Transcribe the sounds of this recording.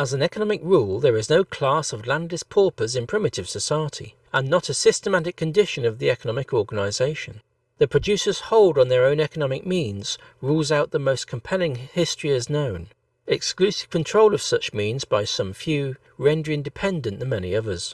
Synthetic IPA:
əzn̩ɛkənɑmɨkɹulˠðə˞ɨznoʊkʰl̥æsʌvlæ̃ndɨspʰɔɹpəzɨ̃npʰɹ̥ɪmɨɾɨv̥sɨsaɪəɾḭ | ə̃nːəɾɨsɪstəmæɾɨkʰːɨ̃ndɪʃɨ̃nʌvðiɛkənɑmɨkʰɔɹɡɨnəɪzeɪʃɨ̃n | ðɨpʰɹ̥ɨd͡ʒʉsə˞z̥hoʊlˠdn̩ðə˞õʊ̃nɛkənɑmɨk̚mĩnz̥ɹulˠzaʊt̪̚ðəmoʊskʰm̩pʰɛlˠɪ̃ŋhɪstɹ̥iɨznõʊ̃n | ɨksklʉsɨ̥v̥kʰɨ̃ntʰɹ̥oʊlˠʌv̥sʌt͡ʃmĩnzbaɪsʌ̃ɱfjʉ | ɹɛ̃ndə˞ɪ̃ndɨpʰɛ̃ndɨ̃nðɨ̃nmɛnḭʌðə˞z̥

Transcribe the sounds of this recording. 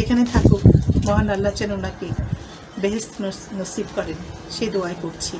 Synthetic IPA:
ekʰanet̪ʰakomɔɦanalːat͡ɕanunake | beɦest̪nosibkɔɾenʃed̪oaekoɾt͡ɕʰi

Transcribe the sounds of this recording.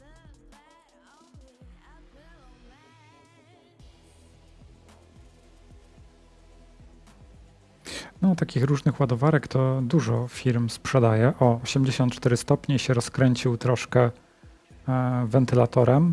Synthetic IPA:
nɔt̪akʲixɾuʐnɘxwad̪ɔvaɾɛkt̪ɔd̪uʐɔfʲiɾmspʂɛd̪ajɛʔɔːɕɛmd͡ʑeɕɔnt̪t͡ʂt̪ɛɾɘst̪ɔpɲɛɕɛɾɔskɾɛɲt͡ɕiwt̪ɾɔʂkɛ | vɛnt̪ɘlat̪ɔɾɛm

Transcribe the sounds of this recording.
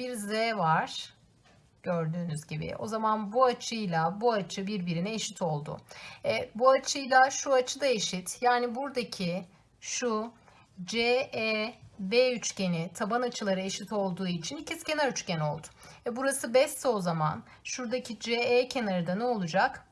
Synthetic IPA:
biɾzɛvaɾ̥ | ɟ̥ø̞ɾd̪yːnyzɟibɪ̰ʔo̞̰zamanbuat͡ʃʰɯjlˠabuat͡ʃʰɯbiɾbiɾinɛeʃi̥t̪ʰo̞lˠd̪ʊ̰ɛbuat͡ʃʰɯjlˠaʃuat͡ʃʰɯd̪ae̞ʃit̪jaːnibuɾd̪acʰi | ʃu | d͡ʒeɛbeyt͡ʃce̞nit̪ʰabanat͡ʃʰɯlˠaɾɯe̞ʃit̪o̞lˠd̪uːit͡ʃʰinicʰisicʲʰe̞naɾyt͡ʃcɛno̞lˠd̪ʊ̥vɛbuɾasɯbɛst̪ːolˠzama̰n | ʃuɾd̪acʰid͡ʒeeːcʰenaɾɯd̪anɛo̞lˠud͡ʒak

